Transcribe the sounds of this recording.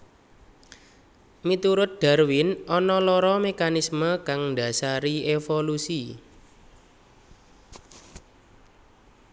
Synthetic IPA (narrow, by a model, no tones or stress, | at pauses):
mit̪uɾʊt̪̚d̪̥a̤rwɪnʔɔnɔlɔɾɔmekanisməkaŋɳɖa̤saɾiefolusi